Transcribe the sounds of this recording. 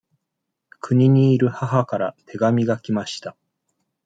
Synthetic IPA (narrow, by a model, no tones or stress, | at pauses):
kʰɯɲ̟iɲ̟iːɾɯ̟haɦakaɾat̪ʰe̞ɡamʲiɡakʲimaɕi̥t̪a